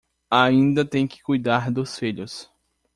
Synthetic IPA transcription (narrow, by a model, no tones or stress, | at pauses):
aĩnd̪ɐt̪ẽj̃kɪ̥kujd̪aɾd̪ʊsfiʎʊs